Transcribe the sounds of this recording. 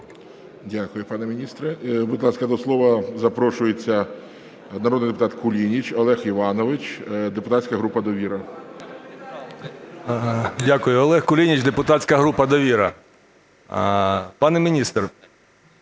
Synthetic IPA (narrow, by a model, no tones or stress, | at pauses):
dʲakʊjʊpɑnɛmʲinʲist̪ɾɪbʊd̪lˠɑskɐd̪ɔslˠɔʋɐzɐpɾɔʃʊjet͡sʲːɐ | nɐɾɔd̪nɪjd̪epʊt̪ɑt̪kʊlʲinʲit͡ʃɔlˠɛxiʋɑnɔʋɪt͡ʃd̪epʊt̪ɑsʲkɐɦɾupɐd̪ɔʋʲiɾɐ | dʲakʊjʊɔlˠɛxkʊlʲinʲit͡ʃd̪epʊt̪ɑtʲt͡sʲkɐɦɾupɐd̪ɔʋʲiɾɐ | pɑnɛmʲinʲist̪r